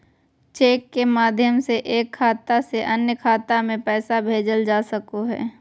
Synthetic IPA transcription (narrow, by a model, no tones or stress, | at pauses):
t͡ʃeːkːemaːd̪ʱjəmseʔeːkʰːaːt̪aseʔɐnjəkʰaːt̪amẽpɛːsabʱeːd͡ʒəld͡ʒaːsəkoɦɛ̰ː